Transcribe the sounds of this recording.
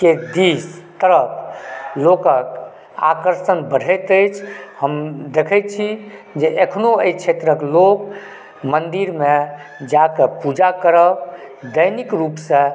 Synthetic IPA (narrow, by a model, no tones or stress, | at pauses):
ked̪ist̪əɾəpʰlokək | a̰kəɾsənbəɽ̤ət̪əjt͡ʃʰhəmd̪ekʰɛt̪t͡ʃʰid͡ʒeʔekʰnoəit͡ʃʰet̪ɾəklok | mənd̪iɾme | d͡ʒakəpud͡ʒakəɾə | d̪əjnikɾupsẽ